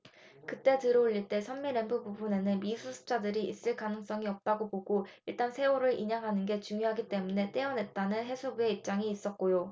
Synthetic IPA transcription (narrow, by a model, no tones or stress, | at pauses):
kɯt͈e̞tɯɾʌuʎːiɭt͈e̞sʰʌmmiɾe̞npʰububune̞nɯnmisʰusʰɯ̥p̚t͡ɕ͈adɯɾiʔḭs͈ɯɭkanɯŋs͈ʌŋiʌp̚t͈aɡoboɡoiɭt͈ansʰe̞oɾɯɾʔiɲaŋɦanɯnɡe̞t͡ɕuŋjoɦaɡit͈e̞mune̞t͈e̞ʌne̞t̚t͈anɯnɦe̞sʰubue̞ip̚t͡ɕ͈aŋiːs͈ʌt̚k͈ojo